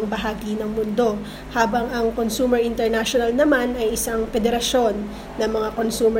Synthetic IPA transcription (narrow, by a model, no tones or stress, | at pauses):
ŋbɐɦaːɡinɐŋmʊnd̪o̞ | haːbɐŋɐŋkonsuːmɛɹʔɪnt̪ɛɹnaʃonɐlnɐmanɐjɪsaŋpɛd̪ɛɾɐʃo̞nː | ɐmɐŋako̞nsuːmɛ